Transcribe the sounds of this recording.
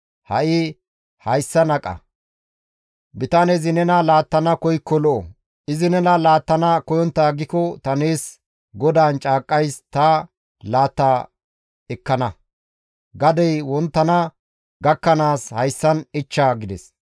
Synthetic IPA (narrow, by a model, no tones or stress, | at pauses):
hɐʔɪ | hɐjsːɐnɐkʼɐ̰ | bɪt̪ɐnezɪnɛnɐlaːt̪ːɐnɐkɔjkːɔlɔʔɔ | ʔɪzɪnɛnɐlaːt̪ːɐnɐkɔjɔnt̪ːaːɡɪkɔt̪ɐneːs | ɡɔd̪aːnt͡ʃʼaːkʼːɐjst̪ɐ | laːt̪ːaː | ɛkːɐnɐ | ɡɐd̪ɛjwɔnt̪ːɐnɐ | ɡɐkːɐnaːshɐjsːɐnɪt͡ʃːaɡɪd̪ɛs